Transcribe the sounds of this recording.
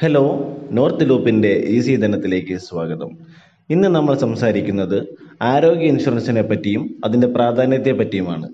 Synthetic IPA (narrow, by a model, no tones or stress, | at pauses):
helo̞ːno̞ːrt̪ɨluːpːinde̞ʔiːsiːd̪ʱɐnɐt̪ːile̞ːkʲːɨswaːɡɐðɐm | inːɨnɐmːɐɭsɐmsaːɾikʲːunːɐðɨaːɾo̞ːɡjɐinɕurɐnsɐnepːɐtːijumɐðinde̞praːd̪ʱaːnjɐt̪jɐpːɐtːijumaːɳɨ̰